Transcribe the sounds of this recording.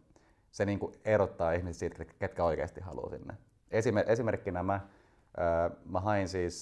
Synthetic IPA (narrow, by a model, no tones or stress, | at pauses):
seniːŋkueɾot̪ːɑːihmiset̪siːt̪eket̪kæoikḛːst̪ihhɑ̰lṵsḭnːḛ | esimeʔesimerkːinæmæ | ʔːmæɦɑinsiːs